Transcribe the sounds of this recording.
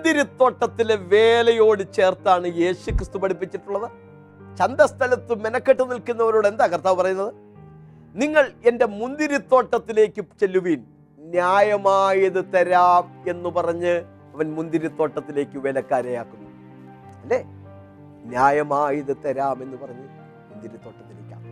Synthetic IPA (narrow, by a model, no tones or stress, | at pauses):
d̪iɾit̪ːo̞ːʈːɐt̪ːileʋe̞ːlɐjo̞ːɽɨt͡ɕe̞ːrt̪aːɳɨje̞ːɕukrist̪upɐɽipːit͡ɕːiʈːuɭːɐðɨ | t͡ɕɐnd̪ɐst̪ʰɐlɐt̪ːɨmenɐkːeʈːɨnilkunːɐʋɐɾoːɽe̞nd̪aːkɐrt̪aːʋupɐrɐjunːɐðɨ | niŋːɐɭe̞nde̞mund̪iɾit̪ːo̞ːʈːɐt̪ːile̞ːkʲːɨt͡ɕe̞lːuʋiːn | njaːjɐmaːjiðɨt̪ɐɾaːme̞nːupɐrɐɲːɨ | ɐʋɐnmund̪iɾit̪ːo̞ːʈːɐt̪ːile̞ːkːɨʋelɐkːaːɾejaːkːunːu | ɐlːeː | njaːjɐmaːjiðɨt̪ɐɾaːme̞nːupɐrɐɲːɨ | mund̪iɾit̪ːo̞ːʈːɐt̪ːile̞ːkʲːa̰